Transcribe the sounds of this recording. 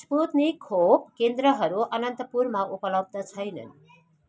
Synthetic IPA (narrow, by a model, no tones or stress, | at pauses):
sput̪nekʰopkend̪ɾʌɦʌɾuʔʌnʌnt̪ʌpurmaʔupʌlʌb̚ʱd̪ʌt͡sʰʌjnʌ̰n